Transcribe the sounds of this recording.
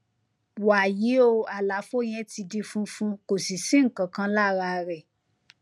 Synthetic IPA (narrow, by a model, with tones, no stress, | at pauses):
wa˨ji˨˦o˧a˨la˨˦fo˦j̃ɛ̃˧ti˧di˧fũ˦fũ˧˦ko˨si˨si˦ŋ̩˦˨kã˨kã˧la˦˨˧ɾa˧ɾɛ˨